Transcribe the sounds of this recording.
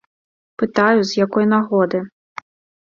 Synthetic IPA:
pɨt̪ajuzʲjakɔjnaɣɔd̪ɨ

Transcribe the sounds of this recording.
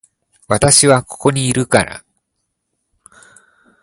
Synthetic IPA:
βat̪aɕiβako̞̥ko̞ɲ̟iːɾɯ̟kaɾa̰

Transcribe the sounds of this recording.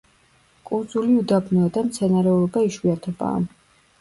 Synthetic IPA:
kʼuɾd̪zuliud̪abnɔad̪amt̪sʰɛnaɾɛɔlɔbaiʃwiat̪ʰɛba̰ː

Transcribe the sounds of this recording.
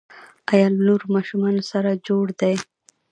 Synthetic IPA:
ajɑlnuɾmɑʃumɑnosaɾad͡ʒoɽd̪aj

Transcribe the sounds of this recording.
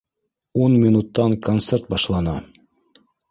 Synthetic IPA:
unmʲinut̪ːɑŋkont̪sert̪̚bɑʃlˠɑnɑ

